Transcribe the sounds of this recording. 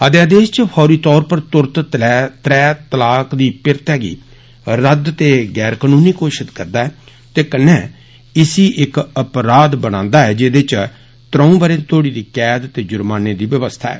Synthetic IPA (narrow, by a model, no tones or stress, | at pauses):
əd̪jaːd̪eːst͡ʃəpʰɔːɾiːt̪ɔːɾpəɾt̪ʊɾt̪ɛt̪ɾɛːt̪əlaːkd̪iːpɪɾt̪ɛːɡḭː | ɾəd̪t̪eːɡɛːɾkanũːniːkoːʃɪt̪kəɾd̪aːɦɛː | t̪eːkənːɛː | ɪsiːʔɪkəpɾaːd̪bənãːnd̪aːɛːd͡ʒed̪et͡ʃ | t̪ɾə̃ːũːbəɾẽːt̪ʰoːɽiːd̪iːkɛːd̪t̪eːd͡ʒʊɾmaːneːd̪iːʋjəʋəst̪ʰa̰ːɛ̰ː